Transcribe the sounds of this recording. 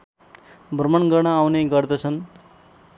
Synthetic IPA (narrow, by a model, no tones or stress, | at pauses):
bʱrmʌnɡʌɽ̃ʌawneɡʌrd̪ʌt͡sʰʌn